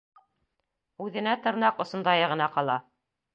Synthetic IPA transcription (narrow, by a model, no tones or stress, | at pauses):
ʉðɘ̆næt̪ɤ̆ɾnɑqŏsŏnd̪ɑjɤʁɤ̆nɑqɑlˠɑ